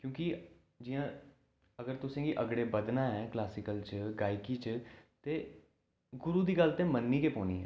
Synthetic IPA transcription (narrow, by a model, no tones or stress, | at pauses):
kjõːkɪ | d͡ʒɪjãː | əɡəɾt̪ʊsẽːɡiːʔəɡɽeːbəd̪naːɛːklaːsɪkəlt͡ʃəɡaːɪkiːt͡ʃt̪eː | ɡʊɾuːd̪iːɡəlt̪ẽːmənːiːkeːpoːnḭːɦɛ̰ː